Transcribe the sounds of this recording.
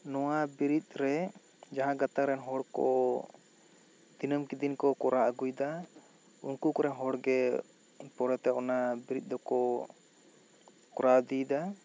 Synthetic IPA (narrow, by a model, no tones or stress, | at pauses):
nɔwabiɾit̪̚ɾɛ | d͡ʒaɦãɡat̪akɾɛnɦɔɽkɔ̰ | d̪̥inəmkid̪inkɔkɔɾaʔəɡujd̪a | ṵnkukɔɾɛnɦɔɽɡɛ | pɔɾɛt̪ɛʔɔnabiɾit̪̚ˀd̪ɔkɔ | kɔɾad̪id̪a